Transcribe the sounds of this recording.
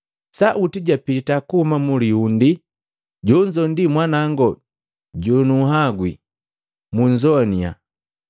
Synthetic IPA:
saʔutiɟapitakuhumamuliundi | ɟɔɲd͡ʒɔndimwanaŋɡɔ | ɟɔnuɦaɡwḭ | muɲd͡ʒɔnia̰

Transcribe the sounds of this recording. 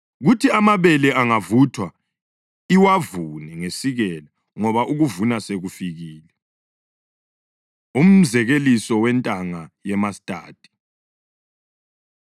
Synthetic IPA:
ɣutʰiamaβɛlɛʔaŋavutʰwa | iwavunɛŋesiɣɛla | ŋɔβaʔuɣuvunaseɣufiɣiːlɛ | um̩zɛɣelisɔwɛntʼaŋajɛmastʼa̰ːtʼi̥

